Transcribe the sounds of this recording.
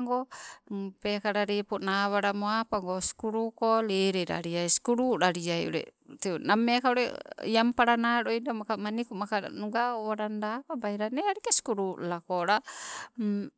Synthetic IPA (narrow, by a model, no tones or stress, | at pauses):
ŋɡɔ | pɛkaɾaɾipunaβaɾamoapaŋɡɔsu̥kuɾukɔlɛɾɛɾa̰ɾiajskuɾuɾaɾiajɔ̰ɾɛ̰t̪ɛnamːɛkauɾɛ̰jampaɾanaɾɔjdamakamanikumakanuɡaaɾandapabaiɾanɛaɾikɛsu̥kuɾulakɔɾam